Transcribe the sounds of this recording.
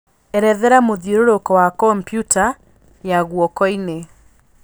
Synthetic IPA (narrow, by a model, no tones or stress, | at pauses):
ɛɾɛðɛɾamoðjoɾoɾokɔwakɔmpjuta | jaɣwɔkɔine